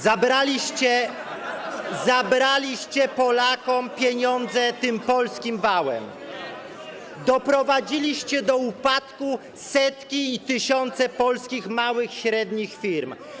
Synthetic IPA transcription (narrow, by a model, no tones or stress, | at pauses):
zabɾalʲiɕt͡ɕɛ | zabɾalʲiɕt͡ɕɛpɔlakɔmpʲjɛɲɔnd̪zɛt̪ɘmpɔlskʲimvawɛ̰m | d̪ɔpɾɔvad͡ʑilʲiɕt͡ɕɛd̪ɔupat̪ku | sɛt̪kʲiːt̪ɘɕɔnt̪sɛpɔlskʲixmawɘxɕɾɛd̪ɲixfʲiɾm